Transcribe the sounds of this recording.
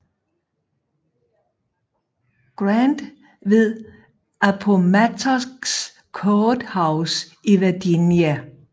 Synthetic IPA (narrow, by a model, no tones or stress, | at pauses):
ɡ̥ʁand̥ | ʋe̝ðˠ | ʔæpʰomæt͡sʰɐɡ̥s | kʰɔːd̥hɑ̈ʊsiʋeɐd̥injæ